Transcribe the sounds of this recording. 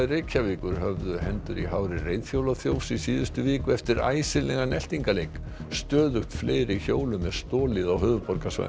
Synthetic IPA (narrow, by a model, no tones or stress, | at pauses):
rejcʰːavɪːkʏɾ̥ɦœvðʏhɛnt̪ʏɾiɦawɾɪrejðfjowlaθjoːwsisiːðʏst̪ʏvɪːkʏɛft̪ɪɾa̰ːjsɪlɛɣanɛl̥t̪iŋkalejk | st̪œːðʏxt̪fleːjɾɪçoːwlʏmːɛðst̪ɔːlɪðawɦʏːvʏpɔɾkasva̰